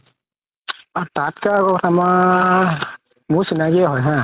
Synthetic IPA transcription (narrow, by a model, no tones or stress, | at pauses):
atatkakɔkɔtʰama | musinakiaɦɔjɦã